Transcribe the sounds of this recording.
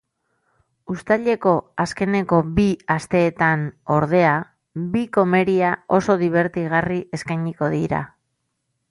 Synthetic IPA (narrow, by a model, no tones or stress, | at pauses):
ust̪aʎe̞ko̞aske̞ne̞ko̞biast̪e̞ːt̪ano̞ɾðe̞a | biko̞me̞ɾiao̞so̞ðiβ̞e̞ɾt̪iɣ̞arie̞skajɲiko̞ðiɾa̰